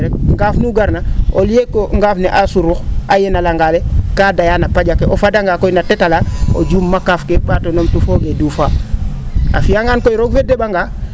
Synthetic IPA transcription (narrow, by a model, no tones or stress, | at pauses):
ɾek̚ŋɡafnuɡaɾnaolekoŋɡafneʔasuɾuxajenalaŋɡalekaːdajanapad͡ʒakeʔofadaŋɡakojnatetalao̰d͡ʒuːmːakafkeɓatonomtufoɡedufa | a̰fijaŋankojɾoɡvedeɓaŋɡa